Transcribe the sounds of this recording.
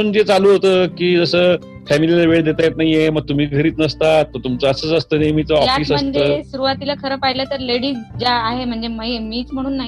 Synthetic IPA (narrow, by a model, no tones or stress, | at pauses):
uːnd͡ʑet͡saluːɦot̪əːkiːd͡zəsəː | fɛmililaʋeɭd̪et̪ajet̪naɦieməɡ̚t̪um̤iːɡʱəɾiːt̪nəst̪at̪ːot̪umt͡səəsət͡səst̪ənemit͡səɔjfaiːsəməstɳd͡zəeːsuɾuʋat̪ilakʰəɾəːpajlət̪əɾleɽiːd͡ʑaːɦem̤əɳd͡zeməjemiːt͡sm̤əɽ̃uːnːaɦi